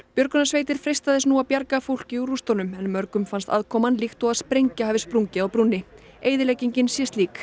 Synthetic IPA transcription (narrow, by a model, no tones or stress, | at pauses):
pjœɾkʏnasveːjt̪ɪɾ̥fɾejst̪aðɪsnuapjaɾkafowl̥cɪuɾust̪ownʏmɛnmœɾkʏmfanst̪aðkʰɔːmanlixt̪ɔɣaðspɾejɲcahavɪspɾuɲcɪawpɾunːɪ | eːjðɪlɛjciɲcɪnsjɛst̪liːk